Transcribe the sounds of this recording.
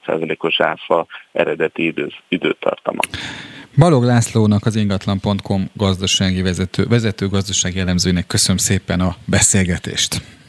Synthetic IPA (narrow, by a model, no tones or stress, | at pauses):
t̪sa̰ːzɒleːko̞ʃaːfɒɛ̰ɾɛd̪ɛt̪iid̪ø̰ːt̪ʰːɒ̰rt̪ɒmʔɒ̰ | bɒlo̞ɡlaːsloːnɒkɒziŋɡɒt̪lɒmpo̞nt̪kʰo̞mɡɒzd̪ɒʃaːɡivɛzɛt̪ø̰ːvɛzɛt̪øːɡɒzd̪ɒʃaːɡiɛlːɛmzøːjinɛkːø̞sønømseːpɛnɒbɛseːlɡɛt̪ḛːʃt̪